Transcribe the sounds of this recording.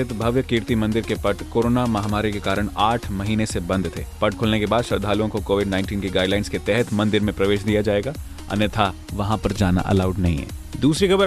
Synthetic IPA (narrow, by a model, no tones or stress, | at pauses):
ɪt̪bʱɐʋjəkiːɾt̪imɐ̃nd̪ɪɾkepɐʈkoːɾoːnamɐɦmaːɾikekaːɾəɽ̃aːʈʰmɐɦiːnesebɐ̃nd̪t̪ʰḛːpɐʈ̚kʰʊlnekebaːd̪ʃɐɾd̪ʱaːluõkokoːʋɪɖnãːɪ̃nʈiːnkiɡaːɪɖlaːɪnsket̪ɛɦɛt̪ʰmɐ̃nd̪ɪɾmẽpɾɐʋeːʃd̪ijad͡ʒaːeːɡaː | ɐ̰nət̪ʰa | ʋɐɦãpɐɾd͡ʒaːna̰ʔɐ̰laːʊɖnɐɦḭ̃ɦɛ̰ːd̪uːsɾikɐbəɾ